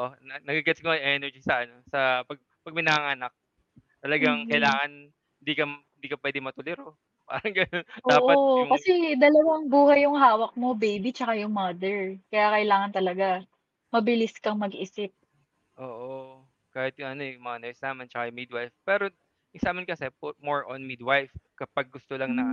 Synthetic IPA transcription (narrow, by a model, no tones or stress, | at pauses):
ʔonɐnɐɡaɡɐt̪koʔɐjʔɛnɛɹd͡ʒisɐʔɐno̞sɐpɐɡ̚ | pɐɡ̚mɪnɐaŋaːnɐk̚ | t̪ɐlɐɡaŋkɐjlaːŋɐn | hɪnd̪iːkɐhɪnd̪iːkɐpwɛːd̪ɪŋmɐt̪ʊlɛɾo | pa̰ːɾɐŋɡɐnonʔ̪oːʔkɐsɛd̪ɐlɐwɐŋbuːhɐjːʊŋɦaːwɐk̚mo̞bejbit͡ʃɐkajʊŋmɐd̪ɛɹkɐjakɐjlaːŋɐnt̪ɐlɐɡa | mɐbɪlɪskɐŋmɐɡʔɪsɪp̚ | ʔoːʔo | kaːhɪt̪̚jʊŋɐno̞ɛmɐŋanɐjɪsnaːmɐnt͡ʃɐkajʊŋmid̪̚wajfpɛːɾo | ɪsaːmɪnkɐsɛpmoɹʔonmid̪wajfkɐpaɡ̚ːʊst̪olɐŋnɐ